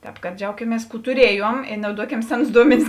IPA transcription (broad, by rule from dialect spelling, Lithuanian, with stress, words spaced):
ˈtʲɛːp kɐt ˈd͡ʒʲɛʊkʲɪmʲiɛs ˈkuː tʊˈrʲiɛjuɔm ɪr nɐʊˈduɔkʲɛm ˈsʲæːˌnʊs ˈduɔmʲɛnʲɪs